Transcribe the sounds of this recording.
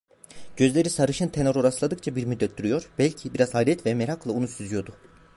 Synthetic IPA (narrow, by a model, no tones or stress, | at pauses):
ɟ̥ø̞zlʲe̞ɾisaɾɯʃɯnt̪ʰe̞no̞ɾo̞ɾaslˠad̪ɯkt͡ʃʰabiɾmyd̪ːɛt̪̚d̪yɾyjo̞ɾbælʲcʰibiɾaz̥haːlʲɛt̪vɛmeɾaklˠaunusyzyjo̞d̪u